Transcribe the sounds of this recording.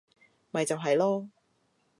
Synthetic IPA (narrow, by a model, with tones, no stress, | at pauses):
mɐ˨jt͡sɐ˨wɦɐ˨jlɔː˥